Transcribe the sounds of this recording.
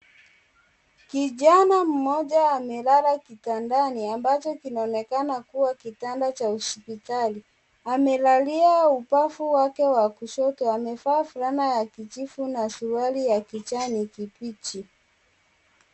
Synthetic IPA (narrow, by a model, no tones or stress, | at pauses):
kiʄanam̩mɔʄaːmɛlaɾakitandaniambat͡ʃɔkinaɔnɛkanakuwakitandat͡ʃauspitali | amɛlaliaupafuwakɛwakuʃɔtɔamɛfaːfuɾanajakit͡ʃifunasuɾualijakit͡ʃanikipit͡ʃi